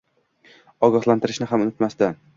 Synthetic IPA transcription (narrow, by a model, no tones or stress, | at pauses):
ɒɡɒhlˠant̪ɪɾɪʃnɪɦamʊnɪt̪masd̪an